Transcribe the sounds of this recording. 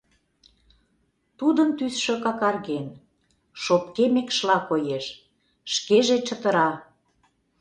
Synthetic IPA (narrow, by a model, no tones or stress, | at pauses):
t̪ud̪ənt̪ysʃø̆kɑkɑrɣen | ʃopkemekʃlɑkojeʃ | ʃkeʒet͡ɕət̪əɾɑ